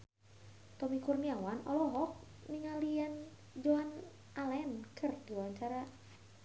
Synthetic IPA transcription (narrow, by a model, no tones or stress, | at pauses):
t̪ɔmikurniawanɔlɔɦɔk̚niŋalian | d͡ʒoan | alɛnkʰərdiwaɲt͡ʃaɾa